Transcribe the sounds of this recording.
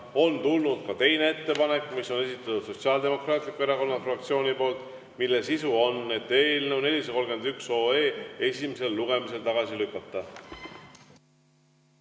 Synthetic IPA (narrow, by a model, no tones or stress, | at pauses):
o̞nt̪ulnud̪̥̚kɑt̪e̞jne̞e̞t̪ːe̞pɑne̞kːˑmisːo̞ne̞sit̪ːˑɑt̪ud̪so̞tsiɑld̪e̞mo̞krɑːt̪ˑlikːue̞ɾɑko̞nːɑfrɑk̚t̪sio̞ːnipo̞ːlt̪ˑ | milːesisuo̞nːe̞t̪ːˑe̞ːlne̞wne̞lʲiseko̞lɡe̞nd̪ykso̞ːe̞ːe̞simese̞lːuɡ̥e̞mise̞lt̪ɑɡ̥ɑsilykːˑɑt̪ːˑɑ